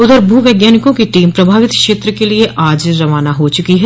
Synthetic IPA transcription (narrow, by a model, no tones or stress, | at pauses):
ʊd̪əɾbʱuːʋɛːɡjaːnɪkõkiʈiːmpɾɐbʱaːʋɪt̪kʃeːt̪ɾəkelieʔʔaːd͡ʒɾɐʋaːnaɦot͡ʃʊkiɦɛ